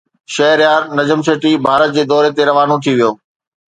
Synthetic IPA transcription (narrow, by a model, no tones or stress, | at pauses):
ʃɐɦəɾjaːɾnɐd͡ʑəmseːʈibʱaːɾət̪̚d͡ʑeːd̪ɔːɾet̪eɾɐʋaːnot̪ʰiʋijoː